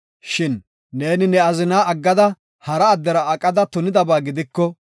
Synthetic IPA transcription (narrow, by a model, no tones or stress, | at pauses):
ʃɪnː | e̞ːnɪnɛɐzɪnaːʔɐɡːɐd̪ɐ | hɐɾɐːd̪ːɛɾɐɐkʼɐd̪ɐt̪ʊnɪd̪ɐbaːɡɪd̪ɪkːɔ